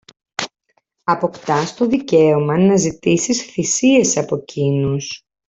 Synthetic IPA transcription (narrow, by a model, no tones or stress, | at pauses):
ɐpo̞kt̪ɐst̪o̞ðice̞omɐnɐzit̪isisθisie̞sɐpo̞cʰinus